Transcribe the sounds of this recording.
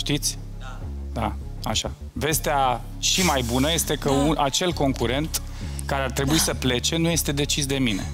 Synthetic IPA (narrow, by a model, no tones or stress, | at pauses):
ʃt̪it̪sʲ | d̪a | aʃa | ve̞st̪ea | ʃimajbunəje̞st̪e̞kəunʔat͡ʃe̞lko̞ŋkuɾe̞nt̪ | kaɾeart̪ɾe̞buisəple̞t͡ʃe̞nuje̞st̪e̞d̪e̞t͡ʃisd̪e̞mine̞̰